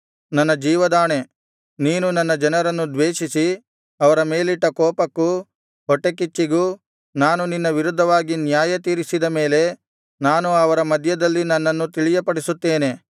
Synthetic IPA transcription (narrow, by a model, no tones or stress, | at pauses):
nɐnːɐd͡ʒiːʋɐd̪aːɳe̞ | niːnunɐnːɐd͡ʒɐnɐɾɐnːud̪ʋeːʂisi | ɐʋɐɾɐme̞ːliʈːɐkɔːpɐkːu | ɦɔʈːekit͡ʃːiɡuː | naːnuninːɐʋiɾud̪ʱːɐʋaːɡinjaːjɐt̪iːɾisid̪ɐme̞ːle̞ | naːnuɐʋɐɾɐmɐd̪ʱjɐd̪ɐlːinɐnːɐnːut̪iɭijɐpɐɽisut̪ːeːne̞